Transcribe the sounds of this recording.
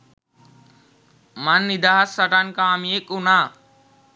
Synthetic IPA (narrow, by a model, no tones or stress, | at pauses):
manːid̪aɦasɐʈankamiekʼuna